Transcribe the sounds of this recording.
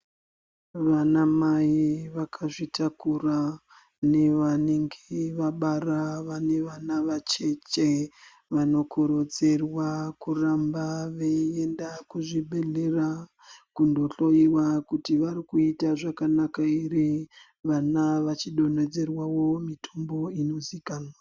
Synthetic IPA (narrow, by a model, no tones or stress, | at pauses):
ʋanamaiʋakʰaʐitʰakura | ne̞ʋane̞ŋɡeʋaɓaraʋane̞ʋanaʋat͡ʃe̞t͡ʃe | ʋano̞kʰoɾo̞d͡ze̞rwakurambaʋeie̞ndakuʐibʱe̞ɮera | kundo̞ɬo̞iwakutiʋaɾikuitaʐakanakairi | ʋanaʋat͡ʃiɗo̞ne̞d͡ze̞rwawo̞mitʰombo̞ino̞zikaːnwa